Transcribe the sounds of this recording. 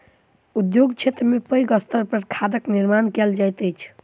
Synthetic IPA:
ud̪joɡt͡ʃʰet̪ɾəmepəjɡəst̪əɾpəɾkʰad̪əkniɾmankɛld͡ʒajt̪əjt͡ʃʰ

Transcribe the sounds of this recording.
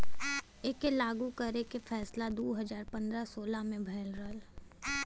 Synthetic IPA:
eːkelaːɡukəɾekefʰɛːslad̪oːɦɐd͡ʒaːɾpɐ̃nd̪ɾasoːlamẽbʱɐːlɾəl

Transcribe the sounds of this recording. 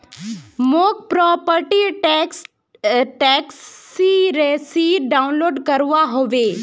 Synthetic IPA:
moːk̚pɾɔːpəɾʈiʈks | ʈɛːksːiɾesiɖaːʊnloːɖkɐɾʋaɦoʋe

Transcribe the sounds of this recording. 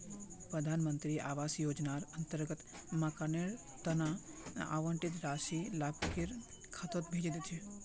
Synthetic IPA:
pɾəd̪ʱaːnmənt̪ɾiaːʋaːsjoːd͡ʒnaɾənt̪əɾɡət̪makaneɭ | t̪ɐnaa̰ʋə̃ɳʈɪt̪ɾaːsilab̚keɾ | kʰat̪ot̪bʱeːd͡ʒd̪ie

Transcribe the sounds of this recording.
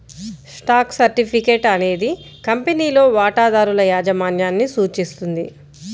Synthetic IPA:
sʈaːksɐɾʈipʰike̞ːʈɐne̞ːd̪i | kɐmpeniːlo̞ːʋaːʈaːd̪aːɾulɐjaːd͡ʒɐmaːnjaːnːisuːt͡ʃist̪und̪i

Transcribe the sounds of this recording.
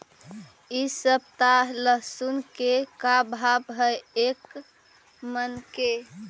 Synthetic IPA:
isəb̚t̪aɦləɦsunkekabʱabɦəjek | mənke

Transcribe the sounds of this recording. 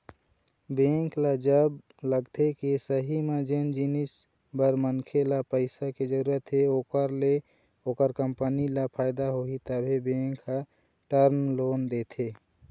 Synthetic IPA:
bẽŋklad͡ʒəb | ləɡt̪ʰekisəɦimed͡ʒend͡ʒinis | bəɾmənkʰelapəɪsaked͡ʒəɾuɾət̪ɦeokəɾle | okəɾkəmpənilapʰaɪd̪aɦoit̪əbʱibẽŋka | ʈəɾmlond̪et̪ʰe

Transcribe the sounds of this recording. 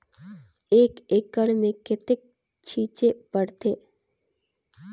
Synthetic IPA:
eːkekəɽmẽkɪt̪ɪk̚ | t͡ʃʰiːt͡ʃepəɽt̪ʰeː

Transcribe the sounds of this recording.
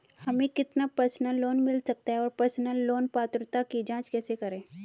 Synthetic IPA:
hɐmẽkɪt̪napəɾsnəlːoːnmɪlsɐk̚t̪aɦɛɔːɾpɐɾsnəlːoːnpaːt̪ɾt̪akid͡ʒãːt͡ʃkɛːsekɐɾẽː

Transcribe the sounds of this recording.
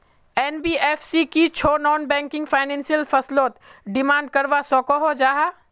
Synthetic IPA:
ɛːnbiːɛːfʰsikit͡ʃʰoːnɔːnbɛ̃ːŋkɪ̃ŋɡfʰaːɪnɛ̃ːnsijəlfɐsloːt̪ɖɪmãːɳɖ̚kɐɾʋasɔːkoɦod͡ʒaːɦa

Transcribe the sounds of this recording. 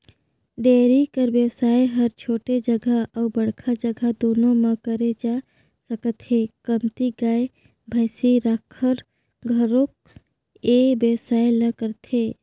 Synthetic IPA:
ɖeːɾikəɾbesaːeɦəɾt͡ʃʰoːʈed͡ʒəɡʱaəwbəɽkʰad͡ʒəɡʱad̪oːnõmãkəɾed͡ʒa | səkət̪ɦekəmt̪iɡaːe | bʱəɪsiɾakʰəɾ | ɡʱəɾok̚ | ebesaːeləkəɾt̪e

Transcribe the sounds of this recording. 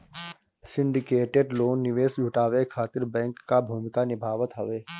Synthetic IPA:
sɪ̃ɳɖɪkeːʈeɖloːnːɪʋeːsd͡ʒʱʊʈaːʋekʰaːt̪ɪɾbɛ̃ːŋkːabʱuːmɪkanɪbʱaːʋət̪ɦɐʋeː

